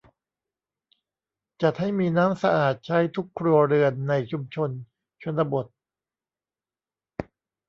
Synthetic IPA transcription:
t͡ɕa˨˩t̪̚ha˥˩jmiː˧naː˦˥msa˧ʔaː˨˩t̪̚t͡ɕʰa˦˥jt̪ʰu˦˥kʰːɾu˧ɐɾɯ˧ənːa˧jt͡ɕʰu˧mt͡ɕʰo˧n | t͡ɕʰo˧nla˧bo˨˩t̪̚

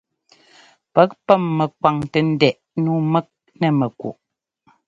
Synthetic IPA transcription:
pɛ˨˦k̚pɛ˦˨mːɛ˨kwa˨ŋtɛ˨n̩˦dɛ˦˨ʔ | nu˦mɛ˦k̚ | nɛ˦˨mɛ˨kṵ˨ʔ

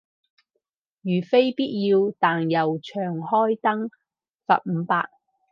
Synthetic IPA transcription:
jyː˨˩fe˥jpiː˥t̚jiː˧wt̪aː˨njɐ˨wt͡ʃʰœː˨˩ŋhɔː˥jt̪ɐ˥ŋ | sɐ̰˨p̚m̩˨˧paː˧k̚

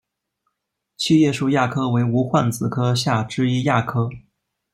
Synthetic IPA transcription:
t͡ɕʰi˥˧jɛ˥˧˩ʂu˥˧ja˥˩kʰɤ˥we˧˥ɪu˧˥xwa˥˩nt͡sɹ̩˨˩kʰɤ˥ɕja˥˩ʈ͡ʂɻ̩˥˧i˥ja˥˩kʰɤ˥

